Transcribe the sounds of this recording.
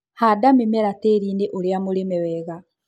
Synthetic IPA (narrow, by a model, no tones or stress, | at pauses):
hadamemɛɾateːɾiːneʔoɾeamoɾemɛwɛɣa